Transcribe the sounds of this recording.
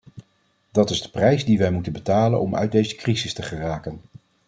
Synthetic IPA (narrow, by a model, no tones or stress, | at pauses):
d̥ɑtɪzdəprɛjzdiʋɛjmutənbətaːlə̰nɔmœ̰ɥ̚dejzə̥krizɪstəχəraːkən